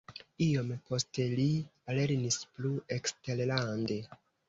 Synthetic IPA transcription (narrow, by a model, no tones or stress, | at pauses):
io̞mpo̞ste̞liale̞ɾnispluekste̞ɾlande̞